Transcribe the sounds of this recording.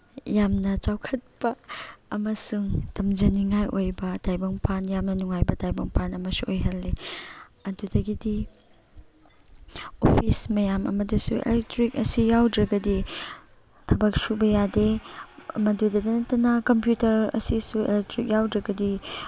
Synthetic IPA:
jamnɐt͡ʃawkʰɐt̚pɐɐmɐsuŋtɐmd͡ʒɐniŋajʔojbɐtajbɐŋpʰanjamnɐnuŋajbɐtajbɐŋpʰanɐmɐsuʔojɦɐlːe | ɐdudɐɡidi | o̰pʰismɐjamɐ̰mɐdɐsuḛlek̚tɾik̚ɐsijawdɾɐɡɐdi | tʰɐbɐk̚subɐjade | mɐdudɐdɐnɐtːɐnɐkɐmpjutɐɾɐ̰sisuḛlek̚tɾik̚jawdɾɐɡɐdi

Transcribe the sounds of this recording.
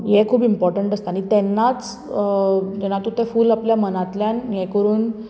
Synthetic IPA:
jekʰuːbimpɔɾʈəɳʈəst̪aɽ̃it̪ɛnːat͡s | d͡ʑɛnat̪ut̪efuːlapljamənat̪ljanjekəɾuːn

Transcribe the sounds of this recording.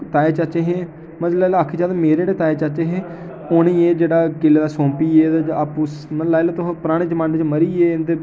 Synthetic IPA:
t̪aːeːt͡ʃət͡ʃeɦẽː | məlaːlːakʰːid͡ʒaːd̪ameːɾeːɽeːt̪aːet͡ʃat͡ʃeːɦẽː | oːniːeːd͡ʒeːɽaːkɪlːeːd̪aːsõːmpiːeːd̪apusməlaːjlot̪oɦpɾaːɽ̃eːd͡ʒmaːnet͡ʃməɾiːeːt̪eː

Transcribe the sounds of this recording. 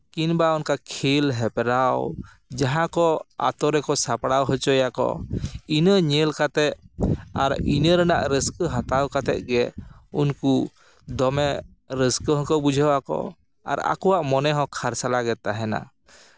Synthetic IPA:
kinbaɔnkakʰilɦɛpɾaw | d͡ʒaɦãkɔa̰t̪ɔɾɛkɔsapɽawɦət͡ʃɔjakɔ̰inəɲɛlkat̪ɛt̪a̰ɾinəɾənaʔɾəskəɦat̪awkat̪ɛ̰t̪̚ɡɛunku | d̪ɔmɛ | ɾəskəɦɔ̃kəbud͡ʒʱawakɔ̰ | a̰ɾa̰kɔwaʔmɔnɛɦɔ̃kʰaɾsalaɡɛt̪̚ːaɦɛna̰

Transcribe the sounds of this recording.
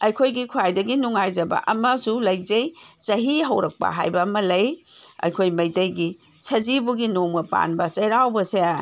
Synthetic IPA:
ɐjkʰojɡikʰuajdɐɡinuŋajd͡ʒɐbɐ̰ʔɐmɐsulɐjd͡ʒɐjt͡ʃɐɦiɦɐwɾɐk̚pɐ̰ɦa̰jbɐːmɐlɐjɐ̰jkʰojmɐjtɐjɡi | sɐd͡ʒibuɡinomɡɐpa̰nbɐt͡ʃɐjɾawbɐseja

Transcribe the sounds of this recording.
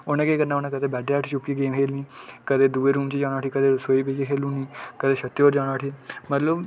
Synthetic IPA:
onẽːkeːkəɾnaːonãːkəd̪eːbɛːɖeːəːʈʰːt͡ʃʊpːiɡeːmɦeːlniːkəd̪eːd̪uːeːɾuːmt͡ʃid͡ʒaːɽ̃aːʈʰiːkəd̪eːsoːiːbeːd͡ʒekʰeːlũːniːkəd̪eːʃət̪ːoːɾd͡ʒãːɽaːʈʰiːmət̪ləb

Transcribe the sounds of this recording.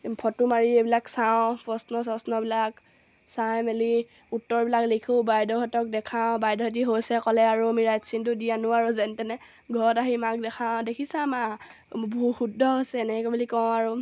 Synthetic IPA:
pʰɔtumaɹiebilaksaw̃pɔsnɔsɔsnɔbilak | sajmeli | utːɔɹbilaklikʰũbajdɔɦɔtɔk̚dɛkʰãʊbajdɔɦɔt̬iɦojsɛkɔlɛaɹuamiɹajsint̬ʊdianʊaɹuzɛntɛnɛ | ɡʱɔɹɔtaɦimak̚dɛkʰadekʰisãma | buxudʱɔɦojsɛːnɛkɔbulikɔ̃ʊ̃aɹu

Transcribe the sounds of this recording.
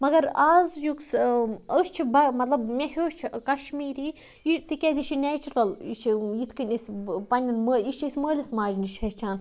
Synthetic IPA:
mɐɡɐɾaːzjuksəːst͡ʃʰibɐmɐt̪lɐbmʲeɦʲoːʃt͡ʃʰkɐʃmiːɾiː | jit̪ikʲɛzʲit͡ʃʰinʲɛːt͡ʃuɾɐlit͡ʃʰijit̪ʰkɨnʲesʲpɐnʲɐnməːiʃt͡ʃʰisʲməːlʲɐsmaːd͡ʒniʃʰɐst͡ʃʰaːn

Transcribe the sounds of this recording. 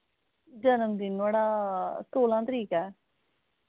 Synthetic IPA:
d͡ʒənəmd̪ɪnaːɽaːst̪oːlãːt̪əɾiːkɛː

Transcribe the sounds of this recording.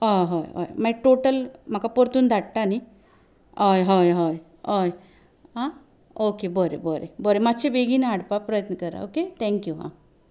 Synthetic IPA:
ɦɔɦɔjɔ̰jmajʈoʈəlm̤akapɔɾt̪uːnd̪ʱaɽʈani | ɔjɦɔjɦɔj | oj | ɦã | okebɔɾḛbɔɾḛbɔɾemat̪ːɕebeɡinaɽpapɾəjət̪nəkəɾa̰oket̪ʰɛ̃ŋkjuɦã̰

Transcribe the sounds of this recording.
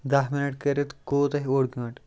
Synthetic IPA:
d̪aɦminəʈkəɾet̪kot̪aɦioɽɡũʈ

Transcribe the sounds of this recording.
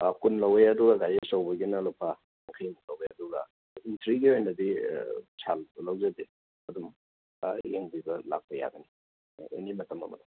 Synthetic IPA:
kunlɐwejɐduɡɐɡajesawbɐɡinɐlopʰa | ŋkʰajulɐwbeɐduɡɐ̰ | intʰɾiɡiojnɐdisʰallawzɐde | ɐdum | jeŋbibɐla̰k̚pɐja̰ɡɐni | enimɐtɐmɐ̰mɐ̰dom

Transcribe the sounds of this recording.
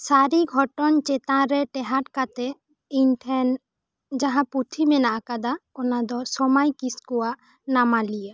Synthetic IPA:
saɾiɡʱɔʈɔnt͡ʃet̪ãɾɛʈɛɦaʈkat̪ɛ | inʈʰɛn | d͡ʒãɦãput̪ʰimɛnaʔakad̪aɔnad̪ɔsɔmajkiskua | namalijə

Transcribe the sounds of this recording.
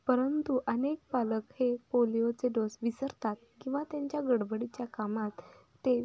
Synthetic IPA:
pəɾənt̪uʔənek̚paləkhepolijot͡seɖosʋisəɾt̪at̪̚kĩw̃ʋat̪jaɲt͡ɕjaɡəɽbəɽit͡ɕjakamat̪ː | e

